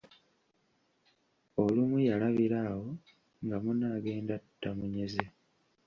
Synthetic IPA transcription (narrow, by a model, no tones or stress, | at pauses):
o̞lumujalaβiɾaːwo̞ | ŋɡamunaːɡe̞ːndatu̥tːamuɲe̞ze